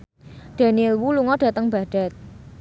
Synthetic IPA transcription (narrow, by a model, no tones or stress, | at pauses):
ɖ̪̥a̤niɛlwuluŋɔɖ̥ä̤t̪əŋb̥a̤ɖ̥a̤t̪̚